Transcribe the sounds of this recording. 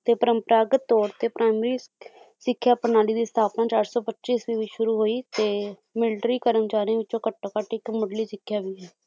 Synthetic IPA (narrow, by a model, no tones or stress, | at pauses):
t̪eːpəɾəmpəɾaːɡət̪ːɔːɾt̪eːpɾʔaːɪmɾiː | sɪkʰːjaːpənaːɽiːd̪iːst̪ʰaːpnãːt͡ʃaːɾsɔːpətːt͡ʃiːsʋiːʋiːʃʊɾuːɦoːiːt̪eː | mɪlʈɾiːkəɾəmt͡ʃaːɾiãːʋɪt͡ʃõːkəʈːoːkəʈɪkmʊɖliːsɪkʰːjaːʋiːɛː